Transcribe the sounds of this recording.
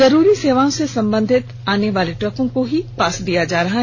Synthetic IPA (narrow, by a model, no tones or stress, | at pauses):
zɐɾuːɾiseːʋaːõsesɐ̃mbə̃nd̪ʱɪt̪ | aːneʋaːleʈɾɐkõkoɦipaːsd̪ijad͡ʒaːɾɐɦaɦ